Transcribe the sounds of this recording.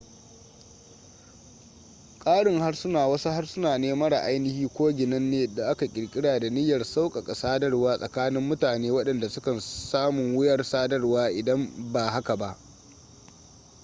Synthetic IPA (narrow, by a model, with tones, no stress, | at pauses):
kʼaː˦ɽɪ˨ŋha˦rsʊ˦naː˨wɐ˦su˦ha˦rsʊ˦naː˨neː˦mɐ˦ɾa̰˨ʔa˦jnɪ˦hiː˦kʷoː˦ɡʲɪ˨nɐ˦nːeː˨da˨ʔa˦ka˨kʲʼɪ˨ɽkʲʼɪ˦ɽaː˨da˨nɪ˦jːɐ˨rsa˦wkʼɐ˨kʼa˨saː˦dɐ˦rwaː˦sʼɐ˨kaː˦nɪ˦mːʊ˦taː˨neː˦wɐ˦ɗɐ˨nda˨sʊ˦kɐ˨nsaː˦mʊ˨ŋwɪ˦jɐ˦rsaː˦dɐ˦rwaː˦ʔɪ˨dɐ˦mbaː˨ɦa˦ka˨ba˦˨ʔ